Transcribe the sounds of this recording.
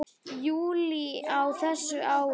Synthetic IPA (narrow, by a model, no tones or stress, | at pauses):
juːliawθɛsːʏʔaːw